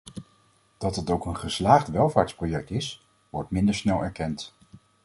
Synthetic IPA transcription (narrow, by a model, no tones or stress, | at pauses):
d̥ɑtɦətowkənχəslaːχtʋɛlˠvaːɹtsprojɛk̚tɪs | ʋɔɹtmɪndəɹsnɛlˠɛɹkɛnt